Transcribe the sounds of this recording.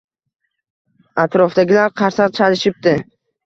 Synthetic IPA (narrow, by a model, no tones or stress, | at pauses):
at̪ʰɾɒfd̪aɡʲɪlaɾqʰɑɾsaʁt͡ʃʰalɪʃɪp̚d̪ɪ